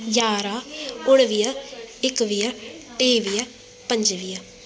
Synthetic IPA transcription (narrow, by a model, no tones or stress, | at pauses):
d͡ʒaːɾaːʊɽʋijaɪkʋijaʈ̪eːʋija | pə̃ɲd͡ʒʋija